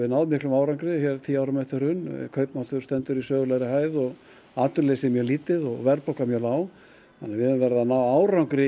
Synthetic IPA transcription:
ɪnaːwðmɪhklʏmaːwɾawŋkɾɪçjɛɾt̪ʰiːawɾʏmɛht̪ɪɾ̥hʏnkʰœɥpnaht̪ʏɾ̥st̪ɛnt̪ʏɾisœːɣʏlajɾɪhaːjðɔɣ | aːt̪ʏɾleːsɪmjɛliːt̪ɪðɔɣvɛɾplɔwkamjœlaːw | θanːaɾvɪðɛmvɛɾɪðanawaːwɾawŋkɾɪ

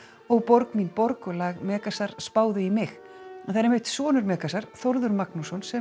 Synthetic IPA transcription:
ɔɣpɔɾkminpɔɾkʏlaɣmɛːkasaɾ̥spaːwðʏimɪx | θaðɾmɪht̪sɔːnʏɾmɛːkasaɾ̥θoɾðʏɾmaknusɔnsɛ

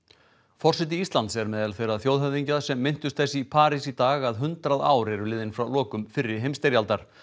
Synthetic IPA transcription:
fɔr̥sɛt̪̬ɪist̪lant̪sɛɾmɛːðalθejɾaðθjoːwðɦœvðiɲcað̥sɛmːɪn̥t̪ʏst̪θɛsːɪipʰaːɾisit̪aːɣaðɦʏnt̪ɾaða̰ːwɾɛɾʏlɪːðɪnfɾawlɔːkʏmfɪɾːɪ̥ɦejmst̪eɾjalt̪aɾ̥

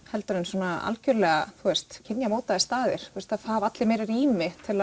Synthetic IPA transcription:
hɛlt̪ʏɾʏnsɔːnaa̰lcœɾlɛɣaθuɛst̪cʰɪnjamoːwt̪aðɪst̪aːðɪɾ̥θuɛst̪afavat̪lɪmejɾɪɾiːmɪt̪ʰɪla

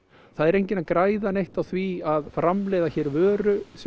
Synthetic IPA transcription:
θaðɛɾejɲcɪnakɾaːjðanejht̪awθviaðfɾamlɛːjðaçɛːɾvœːɾʏs

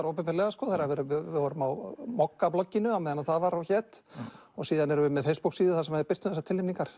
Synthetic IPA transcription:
ɾowpɛmpɛɾlɛːɣaskɔːθajɾavɛɾʏvɪvɪðvɔːɾʏmawmɔkːaplɔcːɪnʏawmɛðanaθavaɾawçɛːt̪ɔɣsiːðanɛɾʏvʏmːɛðfejspuksiːðʏθasɛmhaðɪɾpɪr̥t̪ʏmθɛsat̪ʰɪlɪmniŋkaɾ̥

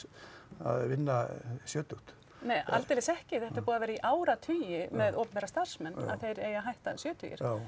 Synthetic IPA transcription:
a̰ðvɪnːasjœːt̪ʏht̪ | neːja̰lt̪elɪsɛhcɪθɛht̪aɾpuːðavɛːɾaiʔaːwɾat̪ʰyːjɪmɛðoːwpnpɛɾast̪aɾ̥smɛna̰ðθejɾeːjaɦajht̪asjœːt̪ʰʏ̰cɪ̰ɾ̥aw

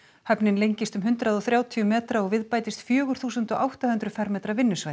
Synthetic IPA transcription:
hɛpnɪnlejɲcɪst̪ʏmɦʏnt̪ɾaðɔθɾjaːwt̪ʰiʏmɛːt̪ɾaɔɣvɪðpaːjt̪ɪst̪fjœːɣʏɾ̥θuːsʏnt̪ɔʔawht̪ahʏnt̪ɾʏfɛɾmɛːt̪ɾavɪnːʏsvaːj

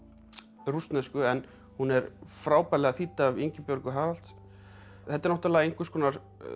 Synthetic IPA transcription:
rust̪nɛskʏɛn | hunɛɾfɾaːwpaːlɛɣaθiːt̪aviɲcɪpjœɾkʏɦaːɾal̥t̪s | θɛht̪ːɛɾnɔht̪alaːɣaejŋ̥kvɪɾskʰɔːnaɾ

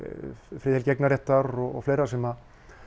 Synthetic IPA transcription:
fɾɪːðelcɛknaɾɛht̪aɾɔɣ̰ɣfleːjɾḁsɛma

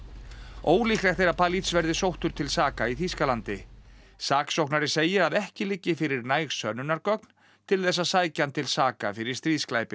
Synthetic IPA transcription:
oːwliːhklɛt̪θejɾapʰaːlit̪svɛɾðɪsowht̪ʏɾ̥t̪ʰɪlsaːkaiθiskalant̪ɪ | saːksowhknaɾɪseːjɪɾaðɛhcɪlɪcːɪfɪɾɪɾnaːjɣsœnːʏnaɾkœk̚n̥ | t̪ʰɪlθɛs̬ːasaːjcant̪ʰɪlsaːkafɪɾɪɾ̥st̪ɾiːðsklajpɪ

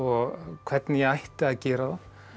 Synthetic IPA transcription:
ɔɣkʰv̥ɛt̪nɪjɛɣajht̪ɪaðcɛːɾaða

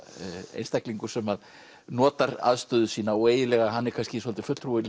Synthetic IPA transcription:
ḛjnst̪akliŋkʏ̥sɛmað | nɔːt̪aɾa̰ðst̪ʏːðʏsiːnaoeːjɪlɛɣaɦanːɛɾkʰanscɪsɔlt̪ɪ̥fʏt̪ʰɾuɪl

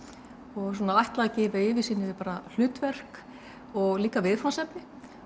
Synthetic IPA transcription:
ɔɣs̬ɔːnaajht̪laðacɛːvɪɪːvɪsiːnːɪvɪpaːɾal̥ʏːt̪vɛr̥k | ɔɣliːkavɪðfɾansɛpnɪ

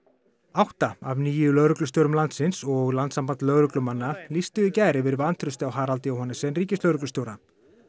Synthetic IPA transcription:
awht̪aavniːjʏlœɣɾʏklʏst̪jowɾʏmlant̪sɪnsɔɣlant̪sampant̪lœɣɾʏklʏmanːalist̪ʏicaːjɾɪvɪɾvant̪ʰɾʏst̪awɦaːɾalt̪ɪawhɔnːasɛnriːcɪslœwɾʏklsjowɾa

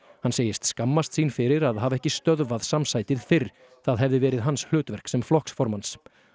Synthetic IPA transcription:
hanseːjɪst̪skamːast̪siːnfɪɾɪɾaðɦavɛhcɪst̪œðvaðsamsajt̪ɪð̥fɪɾ̥ | θaðɦɛvðɪvɛːɾɪðɦansh̪ʏːt̪vɛr̥ksɛmflɔhksfɔɾmans

